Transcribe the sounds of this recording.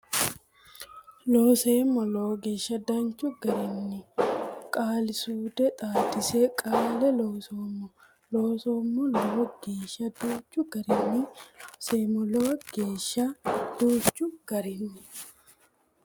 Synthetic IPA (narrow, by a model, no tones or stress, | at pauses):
loːseːmɔloːɡeːʃːɐd̪ɐnt͡ʃːʊɡɐɾɪnːɪkʼaːlɪsuːd̪ɛt̪ʼaːd̪ɪsekʼaːlɛloːsoːmːɔ | lo̞ːsoːmːɔloːɡeːʃɐd̪ut͡ʃːʊɡɐɾɪnːɪseːmɔloːɡ̥eːʃːɐd̪̥uːt͡ʃːʊɡ̥ɐɾɪnːɪ